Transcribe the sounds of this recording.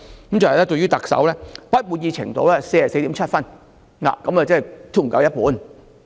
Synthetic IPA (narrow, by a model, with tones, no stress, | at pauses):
kmt͡sɐ˨˩hɐ˨jlɛː˥to˧jɥyː˥t̪ɐ˨˩k̚sɐ̰˨˥wlɛː˥pɐ˥t̚muː˧˩n̚jiː˧t͡ɕʰɪ̰˨˩ŋt̪o̰˧˥wlɛː˥se˧jɐ˨se˧t̪i˨˥mt͡ʃʰt̚fɐ˥˩n | la̰ː˨kɐ˨˥ma˨˩t͡sɐ˥˩˨t̪ʰuː˥˩m̩˨˩kɐ˨˧wjɐ˥t̚puː˨˥n